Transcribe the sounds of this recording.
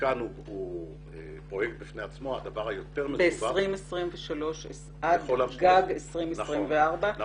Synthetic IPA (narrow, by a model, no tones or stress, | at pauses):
kanu | u | e | pojek̚t̪̚bifneat͡smoad̪avaʁhajot̪eʁmebeːsaʁimesʁimveʃalo̞ʃes | ad̪olaɡaaɡesʁimenʁimveaʁba